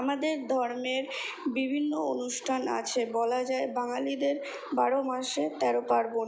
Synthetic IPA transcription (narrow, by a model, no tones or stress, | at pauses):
amad̪eɾd̪ʱɔɾmeɾ | bibʱinːoonuʃʈʰana̰t͡ɕʰebɔlad͡ʑaebaŋalid̪eɾ | baɾomaʃet̪ɛɾopaɾbo